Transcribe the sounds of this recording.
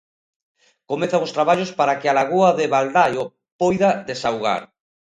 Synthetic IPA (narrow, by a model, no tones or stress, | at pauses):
komeθaŋʊst̪ɾaβaʎospaɾakɪalaɣuaðeβald̪ajo | pojðaðesawɣa̰ɾ